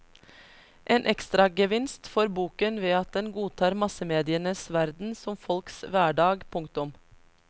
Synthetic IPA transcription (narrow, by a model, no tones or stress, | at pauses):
ʔeːnʔɛkst̪ɾɑɡəʋɪnst̪fɔɾbuːkənʋeːɑt̪̚d̪ɛnɡuːt̪ʰɑːɾmɑsəmeːd̪ɪənəsʋæɾd̪n̩sɔmfɔlksʋæːɖɑːɡpʰʊŋkt̪ʊm